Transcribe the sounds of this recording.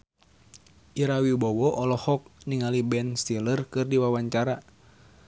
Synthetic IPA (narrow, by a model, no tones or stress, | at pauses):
ʔiɾawibɔwɔʔɔlɔhɔk̚niŋalibɛnst̪ilərkɨrdiwawaɲt͡ʃaɾa